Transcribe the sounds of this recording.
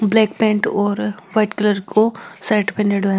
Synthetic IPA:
blɛːkpẽːɳʈɔːɾʋaɪʈkɪləɾkʰosaːʈpʰẽnɖeɖɛ

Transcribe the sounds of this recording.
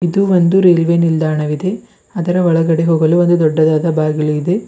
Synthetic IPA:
id̪uond̪uɾeːlʋenild̪aːɳɐʋid̪e̞ | ɐd̪ɐɾɐʋɐɭɐɡɐɽe̞ɦoːɡɐluond̪ud̪ɔɖːɐd̪aːd̪ɐbaːɡɐɭuid̪e̞

